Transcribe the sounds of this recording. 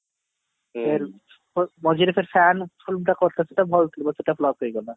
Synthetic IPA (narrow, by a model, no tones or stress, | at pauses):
eɾ | mɔd͡ʑiɾefʰeɾfɛnfilmʈakoɾt̪ʰaseʈabʱɔlt̪ʰilbaseʈaflɔbɦoeɡɔla